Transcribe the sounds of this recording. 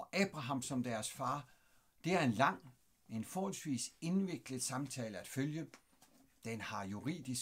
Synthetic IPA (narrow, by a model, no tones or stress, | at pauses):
ʔɛːb̥ʁɑ̈ɦɑ̈m̰sɒ̽md̥æɐsfɑ̈ː | d̥e̝æɐe̝nlɑ̈ŋ̰ | e̝nfɒːɒlsʋḭːse̝nʋe̝ɡ̥ləð̩ˠsɑ̈mt͡sʰɛːləæd̥føljə | d̥enhɑ̈juʁḭːd̥is